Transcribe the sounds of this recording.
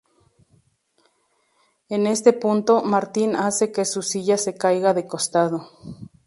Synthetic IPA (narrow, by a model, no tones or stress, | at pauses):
enest̪epunt̪omaɾt̪inasekesusiʝasekajɣaðekost̪aðo